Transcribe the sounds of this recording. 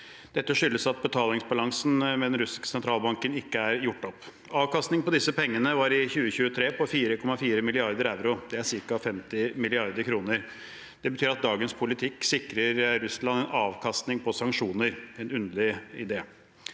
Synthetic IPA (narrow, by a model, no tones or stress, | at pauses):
d̪̥ɛt̪ːəʂʏlːəsɑt̪̚bət̪ʰɑːlɪŋsbɑlɑŋsn̩mɛd̪ɛnɾʉsɪkə̥sɛnt̪ʰɾɑːlbɑŋkənɪkːəæɾjʊʈːɔp | ɑːʋkɑst̪nɪŋpɔd̪ɪsːəpɛŋːənəʋɑɾɪçʉːəçʉːət̪ʰɾeːpʰɔfiːɾəkʰɔmːɑfiːɾəmɪlɪɑɾd̪əɾæʉɾʊd̪ɛæɾʂɪɾkɑfɛmt̪ɪmɪlɪɑɾd̪əɾkʰɾuːnəɾ | d̪̥ɛbət̪ʰyːɾɑt̪̚d̪ɑːɡənspʰʊlɪt̪ʰɪksɪkɾəɾɾʉslɑnɛnɑːʋkʰɑst̪nɪŋpʰɔsɑŋkʂuːnəɾɛnʉnd̪əlɪɪd̪eː